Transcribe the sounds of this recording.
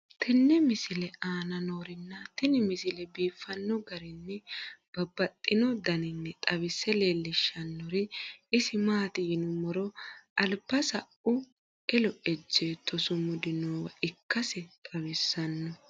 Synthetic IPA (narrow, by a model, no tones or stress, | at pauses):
t̪ʰɛnːɛmɪsɪlɛʔaːnɐnoːɾɪnːɐt̪ɪnɪmɪsɪlɛbiːfːɐnːɔɡɐɾɪnːɛb̥ɐbːɐt̪ʼːɪnɔd̪ɐnɪnːɛt̪ʼɐbɪsːɛle̞ːlːɪʃːɐnːɔɾɪɪsɪmaːt̪ɪjɪnʊmɔɾɔɐlbɐsɐʔʊ | ʔɛlɔʔɛd͡ʒːeːt̪ʰːɔsʊmʊd̪ɪnoːwɐʔɪkːɐsɛt̪ʼɐβɪsːɐnːɔ